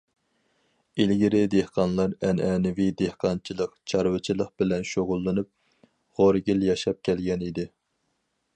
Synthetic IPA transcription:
ilɡʲiɾɪd̪ehqʰɑnlˠɑɾɛnʔɛnɪvid̪ehqɑnt͡ʃʰilˠəqt͡ʃʰɑɾwɨt͡ʃʰilˠəq̚bɪlɛnʃoʁʊlˠːɨnup̚ | ʁoɾɡʲiljɑʃɑp̚kʲʰɛlɡʲɛnid̪ɪ

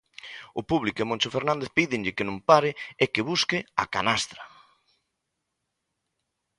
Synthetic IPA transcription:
ʊpuβlikʊɪmõnt͡ʃofeɾnãnd̪eθpiðɪŋʎɪkɪnõmpaɾɪekɪβuskɪa̰kanast̪ɾa

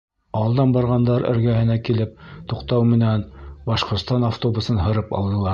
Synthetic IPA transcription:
ɑlˠd̪ɑnbɑɾʁɑnd̪ɑɾɘ̰̆ɾɡæhɘ̆nækilɘp̚t̪uqt̪ɑwmɘ̆nænbɑʃqŏɾt̪st̪ɑnaft̪obusɤnɦɤ̆ɾɤpɑ̰lˠd̪ɤ̆lˠɑ

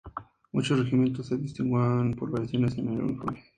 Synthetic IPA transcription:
mut͡ʃosreximjent̪osːeðist̪iŋɡwanpoɾβaɾjaθjo̞nesenelṵnifo̰ɾme

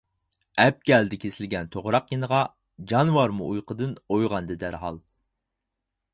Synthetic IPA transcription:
ɛp̚ɡʲɛld̪ɪkʲʰesɪlɡʲɛnt̪ʰoʁɾɑqjenəʁɑ | d͡ʒɑnwɑɾmuʔujqʰəd̪ɨnojʁɑnd̪ɨd̪æɾɦɑ̰lˠ

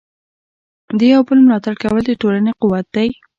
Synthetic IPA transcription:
d̪əjawbəlmlɑt̪aɽkawəld̪əʈolaneqʊwat̪̚d̪aj

